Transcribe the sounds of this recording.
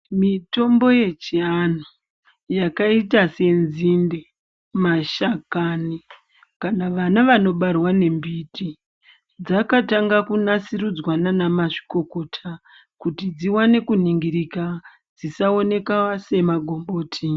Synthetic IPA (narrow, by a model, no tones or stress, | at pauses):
mito̞mbo̞je̞t͡ʃian̤u | jakaitase̞nzinde | maʃakani | kanaʋanaʋano̞ɓarwane̞mbiti | d͡zakataŋɡakunasiɾud͡zwananamaʐi̥ko̞ko̞ːtʰa | kutid͡ziwane̞kuniŋɡiɾika | d͡zisao̞ne̞kawase̞maɡʱo̞mbo̞ːtʰi